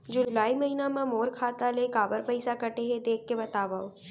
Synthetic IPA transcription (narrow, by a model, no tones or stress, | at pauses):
d͡ʒʊlaːimɐɦiːnamãmoːɾkʰaːt̪alekaːbəɾpəɪsakɐʈeɦed̪eːkːebɐt̪aːʋaːo